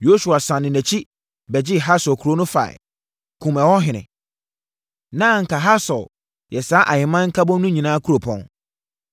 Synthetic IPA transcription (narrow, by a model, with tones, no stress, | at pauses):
jo˦su˨a˨sã˨nɪ̃˨næ̃˨t͡ɕʰi˦ | bɛ˨d͡ʑɪ˦ɦa˦sɔ˨kʰu˨ɾo˦nʊ̃˦fa̰˨ɪ̰˨ | kʰũ˨mɛ˨wɔ˦ɦɪ˨nɪ̰̃˨ | nã˦˨ŋ̩˨kʰa˨ɦa˦sɔ˨l | jɛ˨saː˨˦ʔa˨ɲɪ̃˨mã˦ŋ̩˦kʰa˦bɔ̃˦nũ˦ɲĩ˨nãː˦kʰu˦ɾo˨pʰɔ̰̃˨n